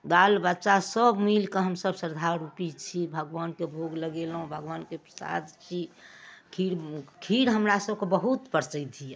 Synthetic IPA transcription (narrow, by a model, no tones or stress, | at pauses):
ɡalbətːʃasəbmilkeɦəmsəbsəɾd̪ʱaɾupit͡ʃʰibʱəɡʋankebʱoɡləɡelɦũbʱəɡʋankepɾəsa̰d̪t͡ʃʰikʰiɾkʰiɾɦəmɾasəbkebəɦut̪pəɾt͡ʃəd̪ʱiɛ